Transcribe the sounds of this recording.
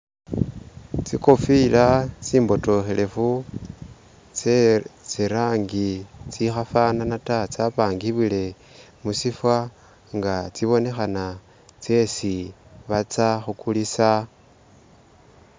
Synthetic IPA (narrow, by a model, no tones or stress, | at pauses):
t͡sikofilat͡siːmbo̞to̞xe̞le̞fu | t͡seɾaːŋɡit͡sixafananatat͡sapaːŋɡiβile̞ | musifwa | ŋɡat͡siβo̞ne̞xana | t͡se̞siβat͡saxukulisa